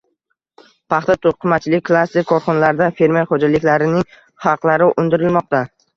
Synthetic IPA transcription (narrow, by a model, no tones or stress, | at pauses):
pʰɑχt̪at̪ʰoqʰɨmat͡ʃʰɪlɪkʲkʰlˠast̪ɪkʰːɒɾχɒnalaɾɪd̪afe̞ɾmeɾχod͡ʒalɪkʲlaɾɪnɪŋ | χɑqlˠaɾɪʔʊnd̪ɪɾɪlmɒqt̪a